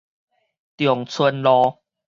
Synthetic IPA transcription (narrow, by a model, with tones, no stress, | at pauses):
t̪jɔ˨˩ŋt͡sʰə˧nlɔ˧